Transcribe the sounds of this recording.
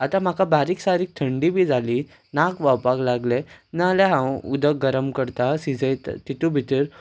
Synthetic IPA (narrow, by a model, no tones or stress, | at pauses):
at̪am̤akabaɾiːksaɾiːk̚t̪ʰəɳɖibiːd͡zʱaliː | nakʋawpaklaɡlenalaɦãwud̪ək̚ɡəɾəmkəɾt̪asid͡zəjt̪t̪it̪ubʱit̪əɾ